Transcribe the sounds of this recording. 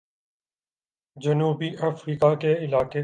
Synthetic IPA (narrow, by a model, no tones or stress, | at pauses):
d͡ʒɐnuːbiʔɐfɾiːkakeɪlaːke